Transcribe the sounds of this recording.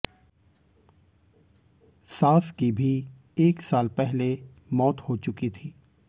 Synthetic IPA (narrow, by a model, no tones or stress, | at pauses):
saːskibʱi | eːksaːlpɛɦle | mɔːt̪hot͡ʃʊkit̪ʰiː